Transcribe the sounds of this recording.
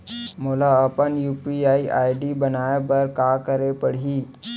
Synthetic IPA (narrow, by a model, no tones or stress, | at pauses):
moːlaəpənjuːpiaːiʔaːɪɖibɐnaːepɐɾkaːkəɾepəɽ̤iː